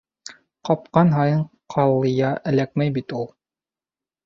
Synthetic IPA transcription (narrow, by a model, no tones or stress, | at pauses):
qɑp̚qɑnɦɑjɤɴqʰɑlˠɤ̆jɑʔælæk̚mæjbit̪ulˠ